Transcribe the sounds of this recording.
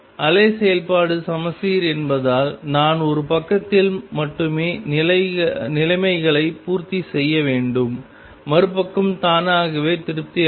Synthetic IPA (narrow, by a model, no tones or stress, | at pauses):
ɐleːsɛjɐlpaːɽɯsɐmɐsiːɾɛnbɐðaːlnaːnɔɾɯpɐkːɐt̪ːɪlmɐʈːɯmeːnɐnɪlɐɪmɐɪɣɐɭɐɪpuːɾt̪isɛjːɐʋeːɳɖɯmː | ɐɾɯpːɐkːɯmt̪aːnaːɣɐʋeːt̪ɪɾɯp̚t̪ɪ